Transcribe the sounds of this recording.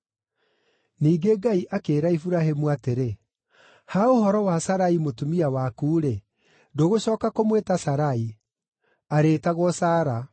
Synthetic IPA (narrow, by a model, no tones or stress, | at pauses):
niːɡeɡaiʔakeːɾaifuɾaɦemuateɾe | haohɔɾɔwasaɾaimotumiawakuːɾe | doɣoɕɔːkakomwetasaɾai | aɾeːtaɣwɔsaːɾa